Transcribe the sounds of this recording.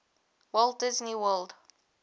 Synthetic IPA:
wɛld̚dɪzniwɜld

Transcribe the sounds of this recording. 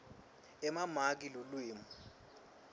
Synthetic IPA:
ɛmamak̬ilolwiːmu

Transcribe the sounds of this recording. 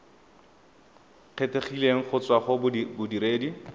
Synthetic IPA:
q͡χʰeteχileŋ̩χʊt͡swaχʊbʊdiɾeːdi

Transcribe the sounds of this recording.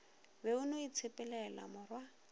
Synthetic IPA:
beʊnoit͡sʰepʼɛlɛla̰mʊrwa

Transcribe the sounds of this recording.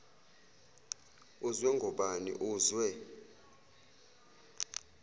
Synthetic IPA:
uzwɛŋɡʱɔɓanḭʔuːzwɛ

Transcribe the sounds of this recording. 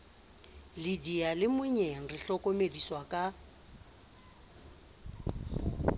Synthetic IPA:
lidialɪmʊɲeŋ̩rɪɬɔkʼɔmediswakʼa

